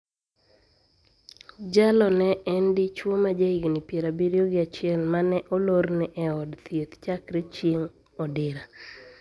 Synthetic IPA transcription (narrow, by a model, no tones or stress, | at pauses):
d͡ʒalɔnɛʔɛndit͡ʃwomad͡ʒaiɡnipjeɾabiɾioɡɪat͡ʃɪɛlmanɛʔɔloɾnɪʔɛɔdt̪jet̪t͡ʃakɾet͡ʃeŋ | ɔdɪɾa